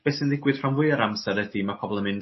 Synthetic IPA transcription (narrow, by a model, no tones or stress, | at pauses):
b̥eːsɪndɪɡwɨð̥rawnvʊɨəɾamsaɾədimapʰɔbɔlˠəmɨn